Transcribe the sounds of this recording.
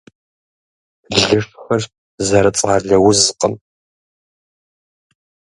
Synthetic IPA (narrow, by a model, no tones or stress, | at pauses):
ɮɨʂħɐr | zɐɾɐt͡sʼaːɮɐwʊzɨqʼəm